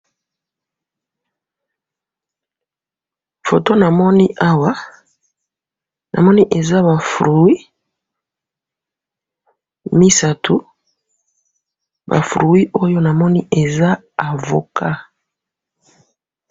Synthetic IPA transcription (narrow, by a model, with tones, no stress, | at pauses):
fo˨to˦na˨mɔ˦ni˦ʔa˦wa˦ | nʔa̰˨mɔ˦ni˦ʔe˨za˦βa˨fu˨ɾu˨wi˦ | mi˦sa˦tʰu˨˦ | ba̰˨fu˨ɾu˨wi˦ʔo˦jo˦na˨mɔ˦ni˦ʔe˨za˦ | a˨vo˨kʰa˦